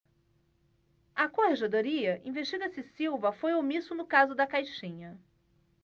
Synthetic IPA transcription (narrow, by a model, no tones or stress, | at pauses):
ɐkoheʒed̪oɾiɐʔĩveʃt͡ʃid̪ɐsɪsiwvɐfojomisʊnʊkazʊd̪ɐkajʃĩɲɐ